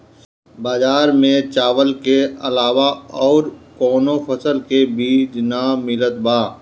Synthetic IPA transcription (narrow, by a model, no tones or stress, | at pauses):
baːd͡ʒaːɾmẽt͡ʃaːʋəlkeɐlaːwaɔːɾkɔːnopʰəsəlkebiːd͡ʒnamɪlət̪baː